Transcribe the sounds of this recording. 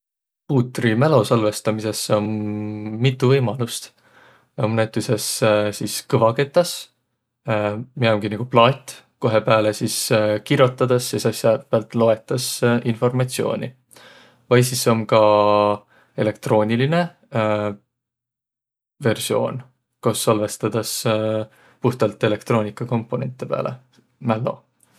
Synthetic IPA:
puːt̪ːrimælo̞sɑlve̞st̪ɑmise̞so̞nː | it̪ːuvɤjmɑlust̪ | o̞mnæt̪ːˑuse̞ssiskɤvɑke̞t̪ːˑɑs | mieoŋɡ̥iniɡ̥uplɑːt̪ːˑ | ko̞ɦe̞pæːlesiskiɾjo̞t̪ːˑɑd̪̥ɑsːisɑsjɑpeælt̪ˑlo̞e̞t̪ːˑɑsʔinfo̞rmɑt̪sio̞̰ːnʲi | vɑjsisːo̞mkɑ | e̞le̞k̚t̪ro̞ːnʲiline̞ | ve̞rsio̞̰ːn | kosːɑlve̞st̪ɑd̪̥ɑs | puht̪ɑlt̪ːˑe̞le̞k̚t̪ro̞ːnʲikːˑɑko̞mpːo̞ne̞̰nt̪ːˑepḛlḛ | mælːo̰

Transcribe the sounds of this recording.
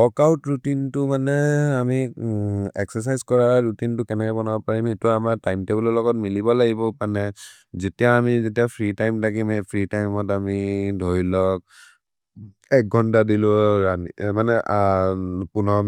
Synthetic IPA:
ɔkawtɹutintʊmanɛami | ɛksɛs̬ajzkɔɹaɹutintʊkɛnɛkɛbɔnabɔpaɹimetʊamaɹtajmtebɔlɔlɔɡɔt̚milibɔlaɡibɔpanɛ | zetiaamizetijapʰɹitajmtʰakimepʰɹitajmɔtamidʱoɹilɔk̚ | ɛk̚ɡʱɔntadilʊɹanimanɛ | punɔm

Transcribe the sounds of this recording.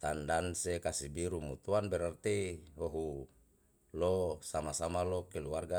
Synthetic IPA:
t̪andansekasibiɾumut̪uanbɛɾart̪eɦoɦu | losamasamalokɛluarɡa

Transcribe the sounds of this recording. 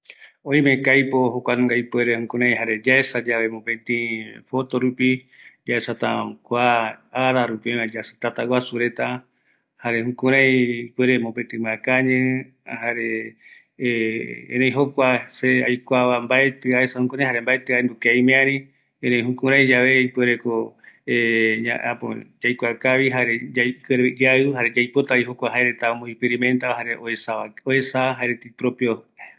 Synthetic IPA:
õj̃mẽkajpoɦokʷañŋɡaipweɾehũkũɾãj̃ɦaɾe̞d͡ʒaesad͡ʒaβe̞mõpẽt̪ĩfo̞t̪oɾupi | d͡ʒaesat̪akʷaaɾaɾupiãd͡ʒast̪at̪awasuɾe̞t̪a | haɾe̞hũkũɾ̃ãjpeɾemõpẽt̪ĩmakaɲẽ | haɾe | ḛ̃nẽj̃ɦokʷaseajkʷaβambaet̪ɨaesahũkuɾãjhaɾembaet̪ɨaend̪ukejmẽãɾĩ | enẽj̃ɦũkũɾ̃ãj̃d͡ʒaʋe̞ipweɾekoea̰a̰põ̰d͡ʒajkʷakaβiɦaɾed͡ʒkeɾaɨɦaɾed͡ʒajpo̞t̪aiɦokʷaɦaeɾet̪aomõikpeɾimẽnt̪aaɦaɾeoesaoesaaɦaeɾet̪ipɾopjo

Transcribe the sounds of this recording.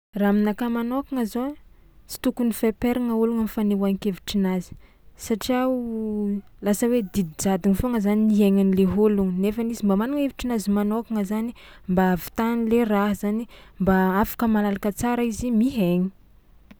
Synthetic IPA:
raminakamanokaŋəzo | t͡si̥t̪ukunifepeɾaŋauluŋamifanewanikeviʈ͡ʂinazi̥ | saʈ͡ʂia | lasəwed̪id̪id͡zad̪iŋifoŋəzaniniɦeŋanileɦoluŋnefanizimbamanuŋeviʈ͡ʂinazimanokaŋəzanimbavi̥t̪anileraɦəzanimbaafḁkəmalalakət͡saɾəizimiɦeɲi̥

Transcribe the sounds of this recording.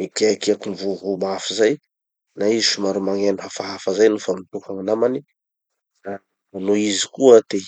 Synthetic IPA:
mikeakiakumvuɦumafizaj | naiziʃumaɾumaŋeniɦafaɦafazajnufamit̪ukaŋanamani | a | anoizi̥kuəd̪e

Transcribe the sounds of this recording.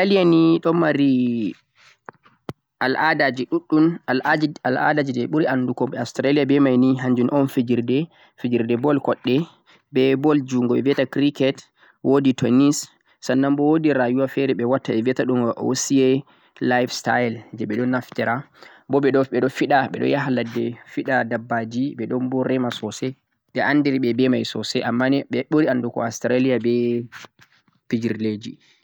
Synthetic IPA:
kalijaniɗɔmaɾi | ʔalʔadad͡ʒiɗuɗːunalad͡ʒala̰dad͡ʒidɛɓuɾianːdukɔmɓɛastɾaliabɛmajniɦaɲd͡ʒunʔɔnfid͡ʒiɾdɛ | fid͡ʒiɾdɛbɔlkɔɗːɛ | bɛbɔld͡ʒuŋɡɔɛviɛtakɾikɛt | wʔoditɔnis | sanːambɔwodiɾajuwafɛɾɛɓɛwatːaɛviɛtaɗuŋɡɔʔosiɛ | lajfstaɛld͡ʒɛɓɛɗɔnaftɛɾa | bɔɓɛɗɔɓɛɗɔfiɗaɓɛ̰ɗɔ̰jaɦaladːɛfiɗadabːad͡ʒiɓɛɗɔnbɔɾɛmasɔsɛ | ɗɛʔandɛɾiɓɛbɛmajsɔsɛʔamːanɛɓɛɓoɾiandukɔ̰astɾalijabɛ | pid͡ʒiɾled͡ʒḭ

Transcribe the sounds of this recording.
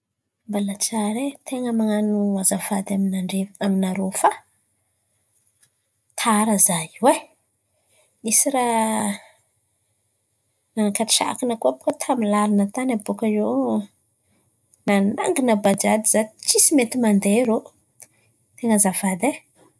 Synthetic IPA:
mbalat͡saɾet̪ʰeŋamaŋanuazafad̪aminaɳɖ͡ʐevaminaɾofa | t̪ʰaɾəzaiwe | isiɾa | nanakaʈ͡ʂʃa̰kinəkuabu̥kət̪ʰamilalinət̪anabokaze | nana̰ŋɡinabad͡ʒad̪izat͡ʃisimet̪imand̪eɾo | t̪eŋazafad̪e

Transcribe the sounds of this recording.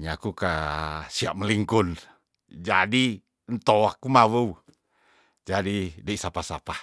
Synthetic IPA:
ɲakukasiaʔ̚məliŋkun | d͡ʒadi | nt̪oakumawəu | d͡ʒadidəisapasa̰pa

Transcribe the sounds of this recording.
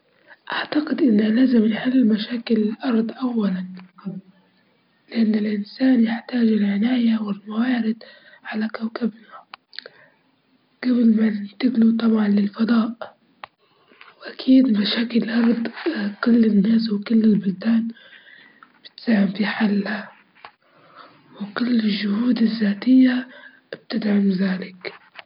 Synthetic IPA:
ʔaʕt̪aɡɪd̪ʔɪnːalaːzɪmnħɪlːɪlmaʃaːkɪlʔɑɾˤd̪ˤʔawːalan | lɪʔanːɪlʔɪnsaːnjɪħt̪aːʒɪlʕɪnaːjawɪlmawaːɾɪd̪ | ʕalakawkabna | ɡ̥abɪlmat̪ɪɡlut̪ˤɑbʕɑnlɪlfɑd̪ˤɑːʔ | wʔakʰiːd̪maʃaːkɪlʔɑɾˤd̪ˤkʊlːɪnːaːswkʊlːɪlbʊld̪aːn | b̥ɪ̥t̪saːhɪmfiħalːa | wkʊlːɪʒːʊhuːd̪ɪzːaːt̪ɪjːa | b̥̚t̪ɪd̪ʕamðaːlɪk

